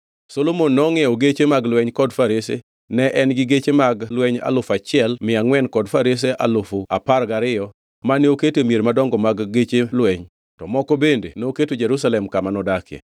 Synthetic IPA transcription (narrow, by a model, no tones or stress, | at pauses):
solomonːɔŋeoɡet͡ʃemaɡlwɛɲkɔdfaɾesḛ | nɛʔɛnɡɪɡet͡ʃemaɡlwɛɲa̰lʊfat͡ʃɪɛlmɪaŋwɛnkɔdfaɾes̬eʔa̰lʊfʊaparɡaɾɪjɔ | maneoketemjeɾmadɔŋɡɔmaɡːet͡ʃelwɛɲ | tɔmɔkɔbendḛnoketod͡ʒeɾusalɛmkamanɔdakɛ̰